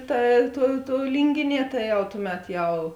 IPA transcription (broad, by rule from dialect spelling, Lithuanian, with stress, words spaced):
ˈtɐ ˈtuɔ tuɔ ˈlʲiːŋʲɡʲɪˌnʲiɛ ˈtɐ jɛʊ ˈtʊˌmʲɛt ˈjɛʊ